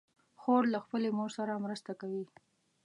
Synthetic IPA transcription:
xoɾlaxpəlemoɾsaɾamɾəst̪akawi

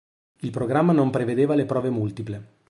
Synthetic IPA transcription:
ilpɾoɡɾamːanompɾeved̪eːvalepɾɔːvemult̪iple

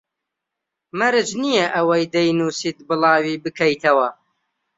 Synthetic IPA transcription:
mɐɾɨt͡ʃnijɐʔɐwɐjd̪ɐjnuːsit̪̚bɨlˠɑːwiːbɨkʰɐjt̪ʰɐwɐ

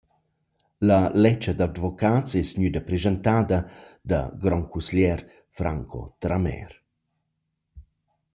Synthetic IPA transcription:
lɐlɛt͡ʃːəd̪ad̪vokaːt͡sɛsɲyd̪əpɾezənt̪aːd̪əd̪ɐ̰ɡɾɔŋkusljɛɾ | fɾaŋkʰo̰t̪ɾamɛ̰r

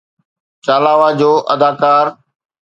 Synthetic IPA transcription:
t͡ʃaːlaːʋaːd͡ʑoːʔəd̪aːkaːɾ

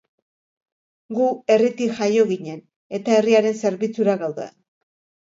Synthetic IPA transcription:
ɡue̞rit̪ixajo̞ɣiɲe̞n | e̞t̪ae̞riaɾe̞nse̞ɾβit͡suɾaɣawðe̞̰

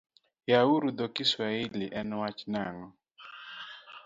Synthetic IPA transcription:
jauɾud̪ɔkɪswaɪlɪʔɛnwat͡ʃnaŋɔ

